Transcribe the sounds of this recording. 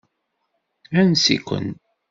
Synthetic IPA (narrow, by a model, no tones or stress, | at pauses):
ænsḭkʷːə̰n